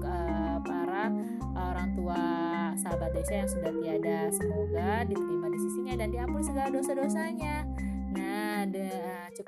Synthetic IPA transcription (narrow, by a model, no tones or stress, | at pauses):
ə | paɾa | oɾaŋt̪ua | sabadosajaŋsudahbiadasəmoɡadit̪əɾimadisisiɲadandiampʊnsəɡaladosadosaɲa | nad | t͡ʃuk